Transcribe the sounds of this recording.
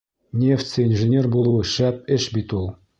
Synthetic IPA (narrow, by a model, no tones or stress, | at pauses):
nʲeft͡sɘinʲʐɘ̆nʲerbulˠuʃæp̚ɘ̆ʃbit̪ulˠ